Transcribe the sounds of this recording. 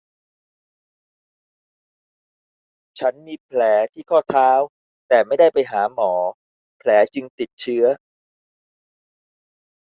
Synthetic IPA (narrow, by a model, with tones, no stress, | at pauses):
t͡ɕʰa˦˥nmiː˧pʰlɛː˩˦t̪ʰiː˥˩kʰɔː˥˩t̪ʰaː˦˥w | t̪ɛː˨˩ma˥˩jda˥˩jpa˧jɦaː˩˦mɔː˩˦ | pʰlɛː˩˦t͡ɕɯ˧ŋt̪i˨˩t̪̚t͡ɕʰɯ˦˥ɐ